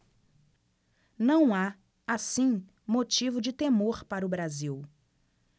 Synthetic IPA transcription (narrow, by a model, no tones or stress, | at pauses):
nɐ̃w̃a | asĩ | mot͡ʃivʊd͡ʒɪt̪emoɾpaɾʊbɾaziw